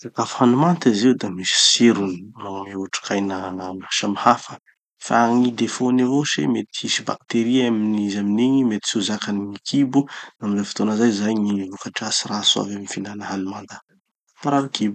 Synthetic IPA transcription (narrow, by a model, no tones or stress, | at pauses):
zakafhanumant̪iziwd̪amisi̥siɾunimameuʈ͡ʂkʰajnəmaʃamihafə̥ | faaŋid̪efonevoʃḭmet̪iisiba̰k̚t̪eɾiaminizaminiɲimet̪i̥suzakaniŋikʰibunamizofi̥t̪onəzajzajŋivukaʈ͡ʂasirasua̰vemifinanəɦanumand̪a | faɾalikʰibu̥